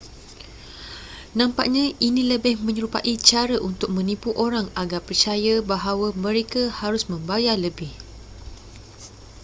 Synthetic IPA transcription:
nãmpa̰ʔ̚ɲãʔinĩləbɪhmə̃ɲəɾupaʔit͡ʃaɾəʔunt̪ʊk̚mə̃nipuʔoɾaŋaɡarpərt͡ʃajabaɦawamə̃ɾekahaɾʊsmə̃mbajaləbɪh

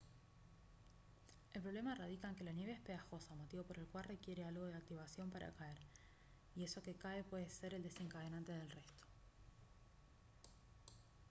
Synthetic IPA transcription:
elpɾo̞βle̞maerað̞ikaŋke̞lanje̞βeespeaxo̞samot̪iβo̞po̞ɾe̞lkwalre̞kje̞ɾealɣo̞ð̞e̞ak̚t̪iβ̞asjo̞mpaɾʔa̰kae̞ɾ | ie̞so̞kekaepwe̞ðese̞ɾe̞ld̪e̞se̞ŋkaðe̞nant̪e̞ð̞e̞lre̞st̪o̥

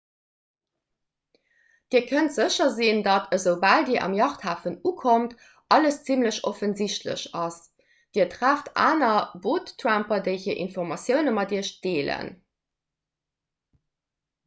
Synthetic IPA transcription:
d̥iːɐkʰəntz̥əɕɐzindɑtʰəzəʊbaːldiːɐʔɑ̰mjɑχthaːfənuːkʰomt | ʔɑləst͡simləɕofənziɕtlə̰ɕɑs | d̥iːɐtʁaːftʰʔa̰ːnɐboːtʰːʁampɐdəɪhiːɐʔḭnfɔʁmɑsjəʊnəmɑdiːɐɕd̥eːlə̰n

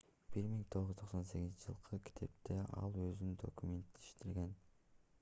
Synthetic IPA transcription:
b̥iɾmiŋt̪ʰo̞ʁʒyt̪ʰoqso̞nse̞ɡʲiznt͡ʃʰɪʒɯ̰lˠqʰɯkʲʰi̥t̪ʰe̞pt̪eʔɑ̰lˠøzynd̪o̞̰kumʲe̞nt̪iʃt̪iɾɡe̞n

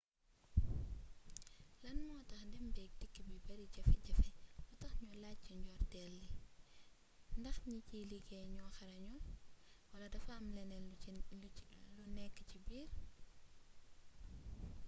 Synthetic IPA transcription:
lɐnmɔːtɐxndɛmbɛk̚dikːəbibɐɾiɟɐfɛɟɐfɛlɔtɐxɲɔːlaciɲɟɔːrtɛlːi | ndɐxɲiciliɡɛɲɔxɐɾɐɲɔlwɐlɐdɐfɐːmlɛnɛl | lunɛkːəcibiːɾ

